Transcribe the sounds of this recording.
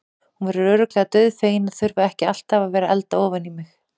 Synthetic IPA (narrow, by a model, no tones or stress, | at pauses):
hunvaɾʏɾœːɾʏklɛːɣat̪œɥðfeːjɪnaðθʏɾvaɛhcɪal̥t̪havavɛːɾaʔɛlt̪aɔːvanimɪx